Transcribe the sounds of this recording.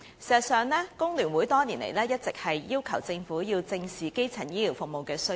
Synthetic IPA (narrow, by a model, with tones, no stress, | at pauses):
sɛ˨˩˨sœː˨ŋlɛː˥kʊ˥ŋlyː˨˩nwu˨˥jt̪ɔː˥niː˨˩nlḛ˨˩jlɛː˥jɐ˥t̚t͡sɪ˨k̚hɐ˨jjiː˥wkʰɐ˨˩wt͡sɪ˧ŋfuː˨˥jiː˧wt͡sɪ˧ŋsiː˨ke˥jt͡sʰɐ˨˩njiː˥liː˨˩wfʊ˨k̚mo˨wkɛː˧sɵ˥